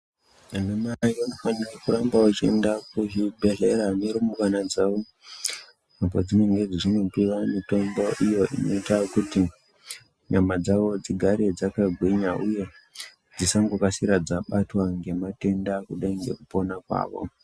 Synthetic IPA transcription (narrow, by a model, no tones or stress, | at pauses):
anemaionofanirakuɾambawat͡ʃḛndakuɦibʱe̞ɮe̞ɾaneɾumuʋanad͡zaʋo̞ | ap̬od͡zine̞ŋɡe̞d͡ziʐino̞piwamito̞mbo̞ʔijo̞ʔḭno̞itakuti | ɲamad͡zaʋo̞d͡ziɡʱaɾed͡zakaɡʱweɲaʔuje̞ | d͡zisaŋɡokasiɾad͡zaɓatwaŋɡe̞mate̞ndakuɗaiŋɡe̞̰kupo̞nakwa̰ːʋo̞̰